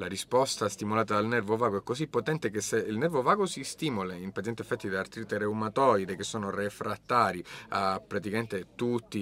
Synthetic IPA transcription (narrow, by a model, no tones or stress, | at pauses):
laɾispɔst̪ast̪imolaːt̪ad̪alnɛrvovaːɡoɛkːosipːot̪ɛnt̪ekesːeilnɛrvovaːɡosist̪iːmolaimpaɛnt̪efːɛt̪ːid̪aart̪ɾit̪eɾeumat̪ɔjd̪ek̟esːoːnorefɾat̪ːaːɾiapːɾat̪̬ikament̪et̪ut̪ːi